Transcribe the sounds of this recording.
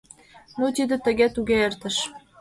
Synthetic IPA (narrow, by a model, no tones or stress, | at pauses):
not̪id̪ə̆t̪ə̆ɣet̪uɣeert̪ə̆ʃ